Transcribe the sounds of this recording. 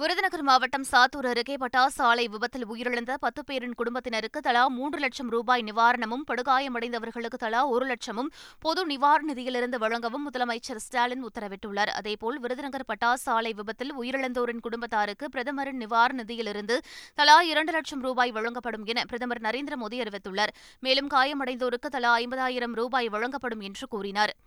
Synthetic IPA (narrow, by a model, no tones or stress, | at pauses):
ʋɪɾɯðɪnɐɣɐɾmaːʋɐʈːɐmsaːt̪ːuːɾɐɾɯkeːpɐʈːaːsaːlɐɪʋɪbɐt̪ːɪlʊjɪɾɪɭɐnd̪ɐpɐt̪ːɯpeːɾɪnkʊɽʊmbɐt̪ːɪnɐɾɯkːɯt̪ɐlaːmuːɳdrɯlɐʈʂɐmɾuːbaːjnɪʋaːɾɐɳɐmɯmpɐɽɯɣaːjɐmɐɽɐɪnd̪ɐʋɐɾɣɐɭɯkːɯt̪ɐlaːɔɾɯlɐʈʂɐmɯmpɔðɯnɪʋaːɾnɪðɪjɪlɪɾɯnd̪ɯʋɐɻɐŋɡɐʋɯmːʊðɐlɐmɐɪt͡ʃːɐɾsʈaːlɪnʊt̪ːɐɾɐʋɪʈːɯɭːɐɾɐ̰ðeːpoːlʋɪɾɯðɪnɐɣɐɾpɐʈːaːsaːlɐɪʋɪbɐt̪ːɪlʊjɪɾɪɭɐnd̪oːɾɪnkʊɽʊmbɐt̪ːaːɾɯkːɯpɪɾɐðɐmɐɾɪnnɪʋaːɾnɪðɪjɪlɪɾɯnd̪ɯt̪ɐlaːɪɾɐɳɖɯlɐʈt͡ʃɐmɾuːbaːjʋɐɻɐŋɡɐpːɐɽɯmɛnɐpɪɾɐðɐmɐɾnɐɾeːnd̪ɾɐmoːðiɐɾɯʋɐɪt̪ːɯɭːɐːɾ | meːlɯmkaːjɐmɐɽɐɪnd̪oːɾɯkːɯt̪ɐlaːɐɪmbɐðaːjɪɾɐmɾuːbaːjʋɐɻɐŋɡɐpːɐɽɯmɛndrɯkuːɾɪnaːɾ